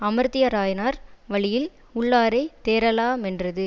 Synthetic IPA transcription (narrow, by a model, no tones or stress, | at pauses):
ɐmɐɾt̪ɪjɐɾaːjɐnaːɾʋɐɭɪjɪl | ʊɭːaːɾɐɪt̪eːɾɐlaːmɛndrɐðɯ